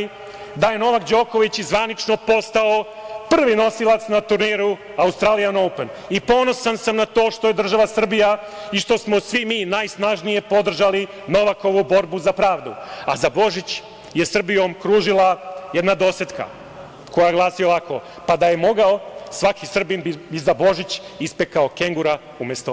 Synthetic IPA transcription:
d̪aje̞no̞ʋakd͡ʑo̞ːko̞ʋit͡ɕizʋanit͡ʃno̞po̞st̪ao | pr̩ʋino̞silˠat̪snat̪uɾniɾu | aust̪ɾaːlijano̞wpen | ipo̞no̞sansamnat̪o̞ːʃt̪o̞je̞d̪r̩ʒaʋasr̩bija | iʃt̪o̞smo̞sʋimiːnaːjsnaʒnije̞po̞d̪r̩ʒali | no̞ʋako̞ʋubo̞ɾbuzapɾaːʋd̪ṵa̰zabo̞ʒit͡ɕ | je̞sr̩bijo̞mkɾuːʒilˠaje̞d̪nad̪o̞set̪ka̰ | kojajeɡlˠaːsio̞ʋakʰo̰ | pad̪aje̞mo̞ɡaosʋakisr̩binbibizabo̞ʒit͡ɕispekaokeŋɡuɾa | umjest̪o

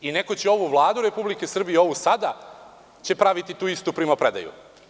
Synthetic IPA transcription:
ine̞ko̞t͡ɕeo̞ʋuʋlˠaːd̪uɾe̞publike̞sr̩bijeo̞ʋusad̪a | t͡ɕe̞pɾaʋit̪it̪uːist̪upɾimapɾed̪a̰jṵ

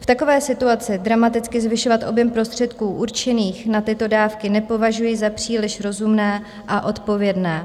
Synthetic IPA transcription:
ft̪ako̞vɛːsɪt̪uat͡sɪd̪ɾamat̪ɪt͡skɪzvɪʃo̞vat̪ʔo̞bjɛmpɾo̞st̪r̥ɛt̪kuːʔuɾt͡ʃɛniːxnat̪ɪt̪o̞daːfkɪnɛpo̞vaʒujɪzapr̝̥iːlɪʃɾo̞zumnɛː | ʔaʔo̞t̪po̞vjɛdnɛː

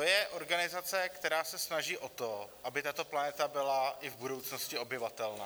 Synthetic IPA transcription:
ojɛʔo̞ɾɡanɪzat͡sɛkt̪ɛɾaːsɛsnaʒiːʔot̪oʔabɪt̪at̪o̞planɛt̪abɪlaʔɪvbudo̞wt͡sno̞scɪo̞bjɪvat̪ɛlna̰ː

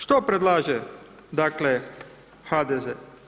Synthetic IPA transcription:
ʃt̪opɾed̪lˠaːʒe | d̪akle | xad̪eze

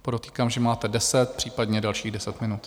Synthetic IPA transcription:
poɾot̪iːkaːmʒɛmaːt̪ɛdɛsɛt̪̚pr̝̥iːpadɲɛdalʃiːɣdɛsɛt̪mɪnut̪

